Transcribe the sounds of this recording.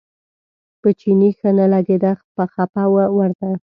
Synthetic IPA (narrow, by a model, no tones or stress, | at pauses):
pət͡ʃinixənalaɡed̪axpəxapawawaɾd̪a